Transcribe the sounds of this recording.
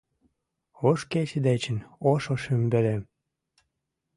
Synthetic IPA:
oʃket͡ɕed̪et͡ɕənoʃoʃymbĕle

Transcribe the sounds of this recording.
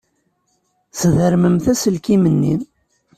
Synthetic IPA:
sðəɾməmθæsəlkimənːin

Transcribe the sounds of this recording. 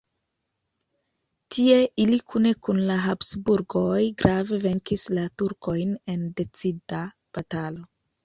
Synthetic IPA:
tʰie̞ʔilikʰune̞kunlaɦapsbuɾɡo̞jɡɾave̞ve̞ŋkislatuɾko̞jne̞nde̞t͡sida | b̥atalo̞

